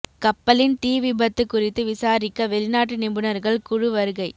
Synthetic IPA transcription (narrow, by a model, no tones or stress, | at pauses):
kɐpːɐlɪnt̪iːʋɪbɐt̪ːɯkːʊrɪt̪ːɯʋɪsaːɾɪkːɐʋɛlɪnaːʈːɯnɪmbɯnɐɾɣɐɭkʊɻɯʋɐɾɯɣɐɪ